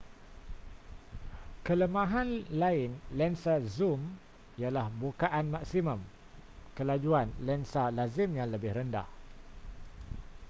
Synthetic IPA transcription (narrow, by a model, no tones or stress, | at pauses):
kələmãɦãnlaɪnlɛnsazum | ijalahbukaʔanmãksimə̃m | kəlad͡ʒuanlɛnsalazɪmjãŋləbɪhɾənda̰h